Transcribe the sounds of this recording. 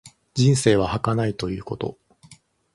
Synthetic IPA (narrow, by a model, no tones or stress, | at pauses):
d͡ʑĩɰ̃se̞ːβ̞ahakanait̪o̞jɯ̟ːko̞t̪o̞̰